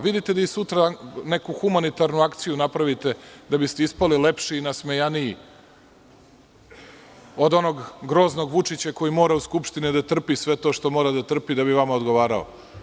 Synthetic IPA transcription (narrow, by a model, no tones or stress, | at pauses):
ʋid̪it̪e̞d̪aisut̪ɾane̞kuxumanit̪aɾnuakt̪sijunapɾaʋit̪e̞d̪abist̪eispalile̞pʃiːnasmejaniji | o̞d̪o̞no̞ɡɡɾo̞ːzno̞ɡʋut͡ʂit͡ɕako̞jimo̞ːɾauskupʃt̪inid̪at̪r̩pisʋe̞t̪o̞ːʃt̪o̞mo̞ːɾad̪at̪r̩pid̪abiʋamaod̪ɡo̞ʋaːɾa̰o̰